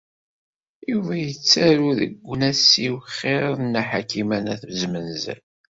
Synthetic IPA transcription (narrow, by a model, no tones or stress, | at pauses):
juvæjət͡sːæɾuðə̰ɡʷːənæsiwχɪɾˤnːæħakimænæθzmənzæ̰l